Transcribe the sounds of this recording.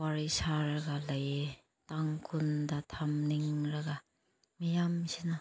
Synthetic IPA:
waɾisaɾɡalaj | taŋkʰundatʰamniŋɾaɡa | mijamsina

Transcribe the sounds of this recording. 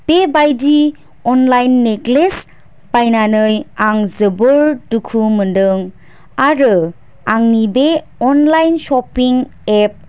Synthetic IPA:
b̥ebajdi | ɔnlajnːeɡles | b̥ajnanɯjaŋzɯbɯɾdukʰumɯndɯŋ | aɾɯ | aŋnibe | ɔnlajnsɔpiŋ | ep̚

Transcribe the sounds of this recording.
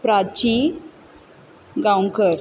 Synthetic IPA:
pɾad̚t͡ɕi | ɡawŋkəɾ

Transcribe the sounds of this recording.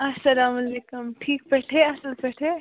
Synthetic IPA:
ɐsɐlaːmɐleːkumʈʰiːk̚pɛʈʰeɐsɐlpɛʈʰe

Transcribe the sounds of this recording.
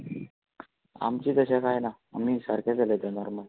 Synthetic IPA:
a̰mt͡ɕiːd͡zəɕakajna | a̰m̤iːsəɾkʰad͡zaled̪anɔɾmə

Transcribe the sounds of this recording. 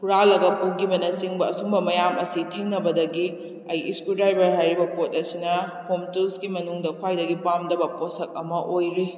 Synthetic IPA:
kʰuɾalɐɡɐpuɡibɐnɐsiŋbɐːsumbɐmɐjamɐsitʰeŋnɐbɐdɐɡi | ɐjʔḭskuldɾajbɐɾɦajɾibɐpot̚ɐsinɐ | homtulsɡimɐnuŋdɐkʰwajdɐɡipamdɐbɐposɐk̚ɐmɐʔojɾi

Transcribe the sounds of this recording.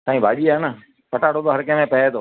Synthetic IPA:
t̪ãːĩːbʱaːɗiːaːnə | pəʈaːɽoːd̪oːɦəɾkẽːmẽːpɛed̪oː

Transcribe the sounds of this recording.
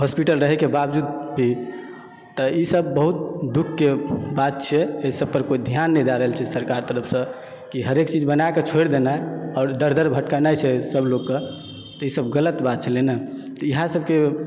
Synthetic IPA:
ɦospiʈəlɾəɦɛkebabd͡ʒud̪bʱi | t̪ɔisəbːəɦut̪̚d̪ukʰːebat̪̚t͡ʃʰɛeisəb̚pəɾkoid̪ʱijanːɛjd̪aɾəɦəlt͡ʃʰɛsəɾkaɾt̪əɾəpʰsə̃ | kiɦəɾekt͡ʃid͡ʒbənaeket͡ʃʰoɽd̪enajɔːɾd̪əɾd̪ʱəɾbʱəʈkanajt͡ʃʰɛsəbloɡkːə | t̪ɔisəbɡələt̪bat̪̚t͡ʃʰɛlenət̪əiɦãsəbke

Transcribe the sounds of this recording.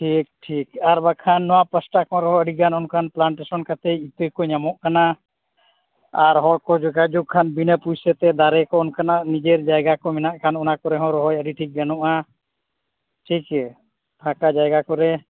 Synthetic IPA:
ʈʰik̚ʈʰikaɾbakʰanːɔwapəsʈakɔ̃ɾɔɦɔəɖiɡanɔnkʰanplaɳʈesɔnkat̪ɛjit̪əjkɔɲamɔʔkana | aɾɦɔlkɔd͡ʒɔɡad͡ʒuɡ̚kʰːanbinəpujsɛt̪ɛd̪aɾɛkɔɔnkʰanaʔnid͡ʒeɾd͡ʒajɡakɔmɛnaʔkʰanɔnakɔɾɛɦɔ̃ɾɔɦɔjəɖiʈʰik̚ɡanɔʔa | ʈʰikɛ | t̪ʰãkad͡ʒajɡakɔɾɛ

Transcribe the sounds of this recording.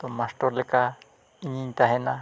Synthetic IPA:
t̪ɔmasʈɔɾlɛka | iɲiɲt̪aɦɛna

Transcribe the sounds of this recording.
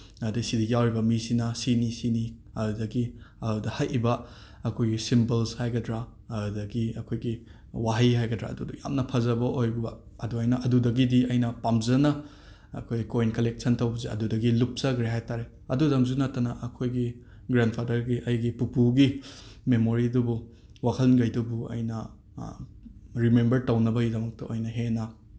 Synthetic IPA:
ɐdisidiɡijawɾibɐmisinɐsinisini | ɐdudɐɡiɐdudɐhɐjʔibɐ | ɐkʰojɡisimbɐlshajɡɐdɾa | ɐudɐɡiɐkʰojɡi | waɦɐjɦajɡɐdɾa̰ɐduduja̰mnɐpʰɐzɐbɐʔojbubɐ | ɐduajnɐʔɐdudɐɡidiɐjnɐpamzɐnɐ | ɐ̰kʰojɡikojnkɐlek̚sʰɐntɐwbɐziɐ̰dudɐɡilup̚sɐɡɾeɦajtaɾe | ɐdudɐŋzunɐtːɐnɐʔɐkʰojɡi | ɡɾandpʰadɐɾɡiʔɐjɡipupuɡimemoɾidubu | wakʰɐlɡɐjdubuɐ̰jnɐ | ɾimembɐɾtɐwnɐbɐɡidɐmɐk̚tɐojnɐɦenɐ

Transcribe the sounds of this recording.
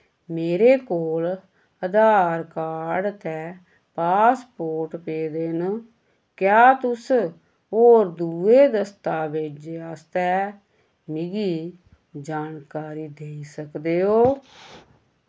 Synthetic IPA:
meːɾeːkoːl | əd̪aːɾkaːɾɖt̪ɛː | paːspoːɾʈpeːd̪en | kjaːt̪ʊs | ɦoːɾd̪uːeːd̪əst̪aːbeːd͡ʒaːst̪ɛː | mɪɡiː | d͡ʒaːnkaːɾiːd̪eːiːsəkd̪eːɦoː

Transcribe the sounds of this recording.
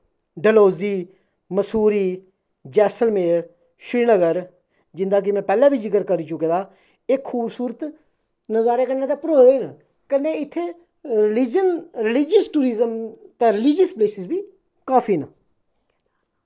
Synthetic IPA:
ɖəloːziː | məsuːɾiː | d͡ʒɛːsəlmeːɾ | ʃɾiːnəɡəɾ | d͡ʒɪ̃nd̪aːk̬ɪmɛ̃ːpɛːlãːbʱiːd͡ʒɪkəɾkəɾiːt͡ʃʊkẽːd̪aː | eːkʰːuːbsuːɾət̪ | nəzaːɾeːkəɳnãːt̪eːpɾoːd̪eiːnə | kənẽːɪt̪ʰːeː | ɾɪlɪd͡ʒənɾɪlɪd͡ʒəsʈuːɾiːzəmt̪ẽːɾɪlɪd͡ʒəspleːsɪsbʱiː | kaːpʰiːna̰

